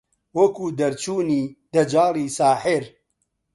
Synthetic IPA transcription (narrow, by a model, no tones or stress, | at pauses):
wɐkuːd̪ɐɾt͡ʃʰuːniːd̪ɐd͡ʒaːlˠiːsaːħɪɾ